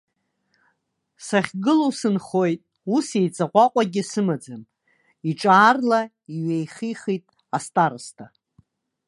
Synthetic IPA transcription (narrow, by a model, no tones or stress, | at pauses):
saχʲɡɨlowsɨnχo̞jtʼ | usejt͡sʼaqʷʼaqʷʼaɡʲɪsɨmad͡zam | iʈ͡ʂʼaːrla | iɥejχiχitʼ | astʼaɾɨstʰa